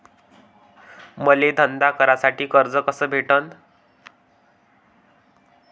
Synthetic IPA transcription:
məled̪ʱənd̪akʰəɾasaʈiːkəɾd͡zəkəsəːbʱeʈən

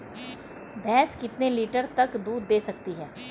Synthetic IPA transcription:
b̪ɛːskɪt̪neliːʈəɾt̪ɐkd̪uːd̪ːeːsɐk̚t̪iɦɛː

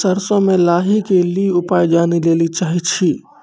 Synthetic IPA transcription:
səɾsõmẽlaːɦikeliʊpaːjd͡ʒaːnileːlit͡ʃaːɦit͡ʃʰiː

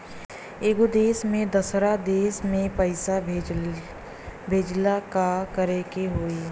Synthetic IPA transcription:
eːɡod̪eːsmẽd̪əsɾad̪eːsmẽpəɪsa | bʱeːd͡ʒlakakəɾekeɦoːiː

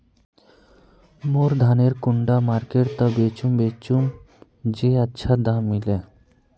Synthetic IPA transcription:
moɾd̪ʱaneɾkuɳɖamaɾkeʈt̪ɔbet͡ʃumbet͡ɕum | d͡ʑeətːʃʰad̪ãmile

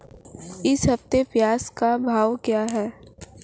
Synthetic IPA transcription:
ɪsɦɐft̪epjaːskabʱaːʋkjaːɦɛː

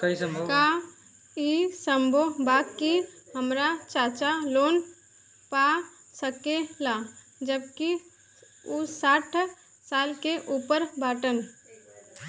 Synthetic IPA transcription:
kɐisəmbʱka | isə̃mbʱobaːkiɦəmɾat͡ʃaːt͡ʃaloːn | pa | səkela | d͡ʒəb̚ki | usaːʈʰ | saːlkeʔuːpəɾbaːʈən

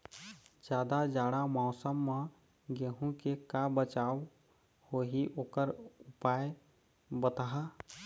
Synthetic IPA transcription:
d͡ʒjaːd̪ad͡ʒaːɽamaːsəmːã | ɡeːɦũkekabət͡ʃaːw | hoːɦiʔoːkəɾʊpaːj | bət̪aɦa

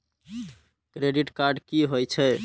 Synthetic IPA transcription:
kɾeɖiʈkaɾɖkiɦojt͡ʃʰɛ

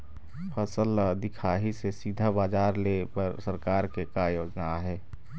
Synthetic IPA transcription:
fʰəsəld̪ɪkʰaːɦisesiːd̪ʱabaːd͡ʒaːɾlepəɾsəɾkaːɾkekajoːd͡ʒnaɦɛː

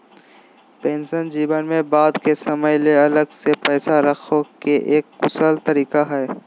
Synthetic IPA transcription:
pẽːnsənd͡ʒiːbənmẽbaːd̪kesɐməjleɐləɡsepɛːsaɾɐkʰokeʔeːkːʊsəlt̪ɐɾiːkaɦɛː

